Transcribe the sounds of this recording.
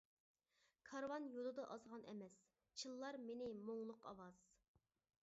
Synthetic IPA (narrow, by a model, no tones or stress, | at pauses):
kʰɑɾwɑnjolˠɨd̪ɑʔɑzʁɑnʔɛ̰mɛs | t͡ʃʰilˠːɑɾmenɪmoŋlˠʊqɑ̰wɑz̥